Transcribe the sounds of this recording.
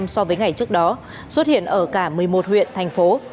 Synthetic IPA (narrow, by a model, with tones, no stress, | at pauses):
msɔ˧vəː˨˦jŋa˨˩jt͡ɕɨ˦˥ək̚ɗɔ˨˦ | swə˦˥t̚hḭ˧˨ənʔəː˧˩kaː˧˩mɨ˨˩əjmo˨˩t̚hwḭ˧˨ənt̪ʰa˨˩jŋ̟fo˨˦